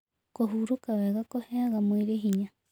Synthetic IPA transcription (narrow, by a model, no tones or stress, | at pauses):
koɦuɾukaβeɣakoheaɣamõiɾeɦiɲã